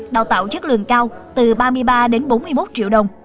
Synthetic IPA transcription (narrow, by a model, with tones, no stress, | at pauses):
ɗaː˨˧˩wt̪a̰ː˧˨wt͡ɕɨ˦˥k̚lɨ̰˧˨əŋkaː˧wt̪ɨ˨˩ɓaː˧mɨ˧əjɓaː˧ɗe˨˦nɓo˨˦nmɨ˧əjmo˦˥t̚t͡ɕḭ˧˨əwɗə˨˩wŋ͡m